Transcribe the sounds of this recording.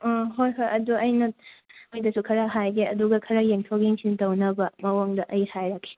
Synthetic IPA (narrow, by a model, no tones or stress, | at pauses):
ɔɦojɦojʔɐduɐjnɐmojdɐsukʰɐɾaɦajɡeɐduɡɐkʰɐɾɐjeŋtʰokiŋsintɐwnɐbɐmɐwoŋdɐʔɐjhajɾɐkʰːe̥